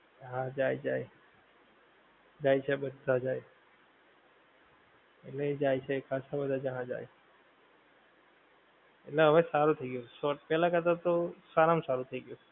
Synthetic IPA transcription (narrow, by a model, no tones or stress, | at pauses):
ɦãd͡ʒajd͡ʒaj | d͡ʒajt͡ʃʰebəd̪ʱad͡ʒaj | ḛʈled͡ʒajt͡ʃʰekʰasabəd̪ʱad͡ʒaɽ̃ãd͡ʒa̰j | ḛʈleɦəʋesaɾut̪ʰəiɡəjũʃɔʈ̚pɛlãkəɾt̪at̪osaɾamsaɾut̪ʰəiɡəjũ